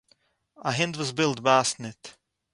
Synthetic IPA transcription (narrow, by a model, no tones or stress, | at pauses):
ʔəɦɪ̃ndwɔzbɪlˠt̚basnɪt